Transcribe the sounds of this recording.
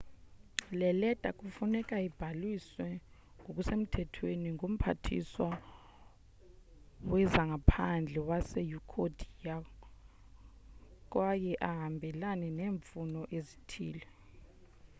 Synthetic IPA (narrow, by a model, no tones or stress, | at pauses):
lɛlɛd̥ʱakʼufunɛkʼaib̥ʱalwiswɛ | ŋɡʱok̬ʼusem̩tʰɛtʰweniŋʱom̩pʰa̰tʰḭswa | wɛzaŋɡapʰand͡ɮʱɛwasɛjukʰod̥ʱija | k̬ʼwajɛʔaɦambʱɛlanɛneːɱfunɔʔezitʰḭːlɛ